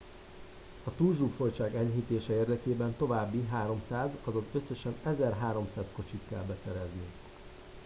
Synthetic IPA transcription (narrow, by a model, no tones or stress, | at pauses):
ɒt̪uːlʒuːfo̞jt͡ʃaːɡɛɲɦit̪eːʃɛeːrd̪ɛkeːbɛnt̪o̞vaːbːiɦaːɾo̞msaːzɒzɒzø̞sːø̞ʃɛnɛzɛrɦaːɾo̞msaːsko̞t͡ʃit̪kɛ̰lbɛsɛɾɛzni